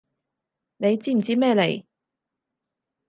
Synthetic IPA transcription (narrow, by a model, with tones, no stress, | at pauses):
ne˨˧jt͡siː˥˩m̩˨˩t͡siː˥mɛː˥˧le˨˩j